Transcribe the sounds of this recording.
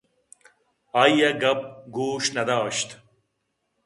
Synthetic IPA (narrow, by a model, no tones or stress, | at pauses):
aijɐɡɐp̚ɡoːɕnɐd̪aːɕt̪